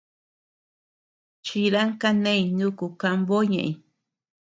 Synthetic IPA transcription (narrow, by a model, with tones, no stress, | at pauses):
t͡ʃi˧ɾa˦ŋka˦nẽ˦ĩ˨nũ˦ku˨ka˧mbo˦ɲẽ˨ʔĩ˨